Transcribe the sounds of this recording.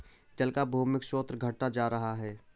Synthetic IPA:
d͡ʒɐlkabʱuːmɪkʃoːt̪ɾɡʱɐʈːad͡ʒaːɾɐɦaɦɛː

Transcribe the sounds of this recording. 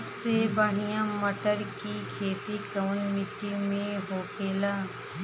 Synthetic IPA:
sebaːɦijãməʈəɾkikʰeːt̪ikəmnjunɪʈimẽɦoːkʰeːlaː

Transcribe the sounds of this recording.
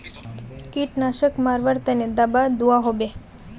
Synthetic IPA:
kiʈnaʃəkmaɾʋəɾt̪əned̪abad̪uaɦobe

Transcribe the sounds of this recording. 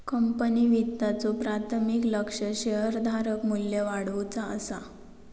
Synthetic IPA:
kəmpəniʋit̪ːat͡sopɾat̪ʰmikləkʂəɕeɦəɾd̪ʱaɾəkmulːjəʋaɽʋut͡saə̰sa

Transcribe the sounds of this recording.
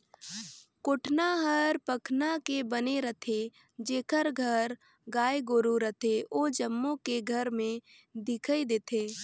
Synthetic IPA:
koʈʰnaɦəɾpəkʰnakebəneɾət̪ʰe | d͡ʒeːkʰəɾɡʱəɾ | ɡaːjɡoɾuɾət̪ʰeoːd͡ʒəmːõkeɡʱəɾmẽ | d̪ɪkʰəid̪eːt̪ʰeː

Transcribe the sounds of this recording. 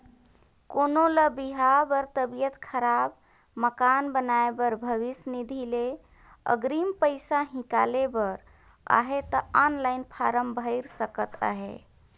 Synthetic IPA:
konoləbiɦabəɾt̪əbijət̪kʰəɾab | məkanbənaebəɾbʱəʋisnid̪ʱile | ə̰ɡɾimpəɪsaɦĩka̰lebəɾ | a̰ɦet̪əanlajnpʰaɾəmbʱəɪɾsəkət̪a̰ɦḛ

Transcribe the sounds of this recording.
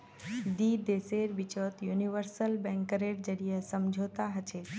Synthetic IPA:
d̪id̪eseɾʋɪt͡ʃət̪juniʋəɾsəlbɛ̃ŋkəɾeɾd͡ʒəɽijəsəmd͡ʒʱot̪aɦət͡ʃʰe

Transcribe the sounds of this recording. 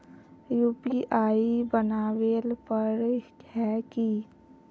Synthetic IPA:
juːpiʔaːibənaːwelpəɾhɛki

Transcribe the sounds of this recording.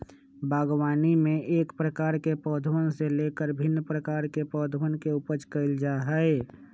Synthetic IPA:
bʱaːɡwaːnimẽʔeːkpɾəkaːɾkepɔːd̪ʱəʋənseleːkəɾbʱɪnːəpɾəkaːɾkepɔːd̪ʱəʋənkeupət͡ʃkəɪld͡ʒaɦəe

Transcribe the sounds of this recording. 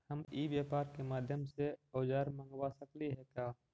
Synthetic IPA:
həmiːʋjaːpaːɾkemaːd̪ʱjəmseoːd͡ʒaːɾmə̃ŋɡwasəkliɦɛkjaː

